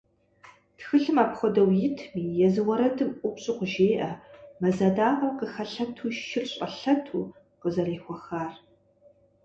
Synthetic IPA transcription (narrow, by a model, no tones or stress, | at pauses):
txɨɬɨmaːpχʷɔdɐwjɪtʰmiːjɛzɨwɐɾɐdʰɨmʔʷʊpɕʼɪqʷʊʒeːʔɐmɐzɐdaːʔɐmqəxɐɬɐtʰuːʃʃɪrɕʼɐɬɐtʰuː | qəzɐreːxʷɔxaːr